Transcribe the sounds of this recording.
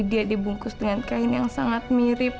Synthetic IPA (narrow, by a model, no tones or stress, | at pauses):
diadibuŋkʊsdəŋankaɪnjaŋsaŋat̪̚miɾɪp̚